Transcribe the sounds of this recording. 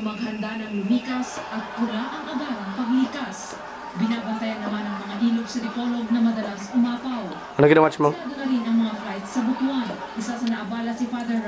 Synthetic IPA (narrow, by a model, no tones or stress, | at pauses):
mɐɡhɐnd̪anɐŋlʊmiːkɐsɐt̪̚kʊɾaʔɐŋʔɐɡaɾɐŋpɐɡlɪkas | bɪnaːbɐnt̪ɐjanːɐmanɐŋmɐŋaʔiːloɡ̚sɐd̪ɪko̞lo̞ɡ̚nɐmɐd̪ɐlasʔʊmaːpɐw | nɐɡɪd̪ɐmat͡ʃmɐaɡ̪ɐnɐɾinɐŋmɐŋaflajt̪sɐbʊt̪uʔan | ʔɪsasɐnɐʔɐbaːlɐsɪfad̪ɛɾ